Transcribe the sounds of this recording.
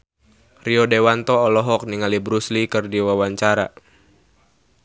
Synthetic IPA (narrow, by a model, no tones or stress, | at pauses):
riɔdewant̪ɔːlɔɦɔk̚niŋalibɾuslikɨrdiwawaɲt͡ʃaɾa̰